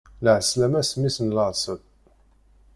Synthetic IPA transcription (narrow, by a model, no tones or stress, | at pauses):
lʕəslæmæsmːisənləʁˤsəd̪